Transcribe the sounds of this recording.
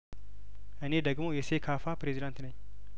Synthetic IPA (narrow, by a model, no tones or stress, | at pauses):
ʔɨne̞d̪əɡmo̞jɛsekʰafapɾezid̪ant̪nəɲː